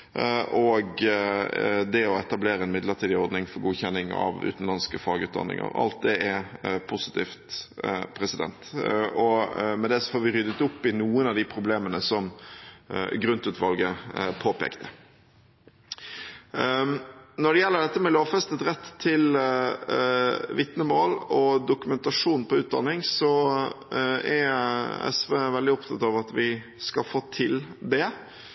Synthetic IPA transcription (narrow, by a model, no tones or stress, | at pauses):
ʔɔɡ | d̪ɛɔɛt̪ɑbleːɾəɛnmɪd̪ləʈiːd̪ɪɔɾd̪nɪŋfɔɾɡuːçɛnːɪŋɑ̰ʋʉ̰ːt̪n̩lɑnskəfɑːɡʉːt̪d̪ɑ̰nːɪ̰ŋə̰ɾɑ̰lt̪̚d̪ɛɛpʰʊsɪ̥t̪ʰḭːft̪pʰɾɛsɪd̪ɛ̰nt̪ɔmɛd̪ɛsɔfoːɾʋɪɾʏd̪ət̪ʊpːɪnuːənɑʋd̪ɪpʰɾʊbleːmənəsɔm | ɡɾʉnt̪ʉːt̪ʋɑlɡəpʰoːpḛːkt̪ʰə̥ | nɔɖɛjɛlːəɖ̪ɛt̪ːəmɛloːʋfɛst̪ət̪ɾɛt̪ʰːɪl | ʋɪt̪nəmoːlɔd̪ʊkʉmɛnt̪ɑʂuːnpɔʉːt̪̚d̪ɑnːɪŋsɔ | æɾɛ̰sʋeːʋɛld̪ɪɔpt̪ʰɑt̪ɑʋɑt̪ʋɪ | skɑlfoːt̪ʰɪld̪ɛ